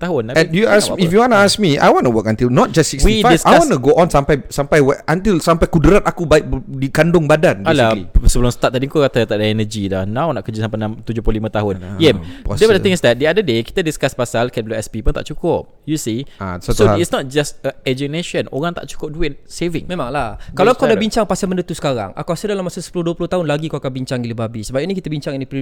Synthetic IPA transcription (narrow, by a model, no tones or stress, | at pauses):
t̪aɦʊnaɛ̃njuasifjuwɔnəask̚mia̰jwɔ̃nəwəkãnt̪ilnɔt̚d͡ʒassikswiifadisawɔnəɡoʔɔ̃nsampajsampajwɛʔant̪ilsampajkudəɾat̪akubaɪk̚dikandʊŋbadanbaslaisəbəlʊmsə̥t̪at̚t̪ːadiŋkokat̪at̪aʔdaɛnəd͡ʒidahnãwnaʔkəd͡ʒisãmpanãmt̪ud͡ʒʊplolimãt̪aɦʊnjɛmdɛwɔdət̪ɪ̃ŋɪsdɛt̪̚diadədeki̥t̪adiskaspasalkɛt̚bluɛspipʊnt̪a̰ʔt͡ʃukʊp̚jusisoisnɔt̪̚d͡ʒastəɛd͡ʒəneʃəno̰ɾaŋt̪a̰ʔt͡ʃu̥kʊp̚duɪnsevɪ̰ŋmẽmãŋlakalakadabiɲt͡ʃaŋpasalməndət̪usə̥kaɾa̰ŋa̰kuasədalamːasusə̥pulʊhduəpulʊht̪aɦʊnlaɡikoakanbiɲt͡ʃaŋdiləbabisəbapinikit̪əbiɲt͡ʃaŋinipi